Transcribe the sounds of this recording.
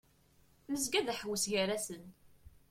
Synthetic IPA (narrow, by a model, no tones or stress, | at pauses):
məzɡæðæħəwəsʝəɾæsən